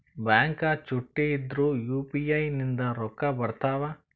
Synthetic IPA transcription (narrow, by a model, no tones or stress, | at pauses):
baːŋkɐt͡ʃuʈːiid̪ɾujuːpiɐjnind̪ɐɾɔkːɐbɐɽt̪aːʋɐ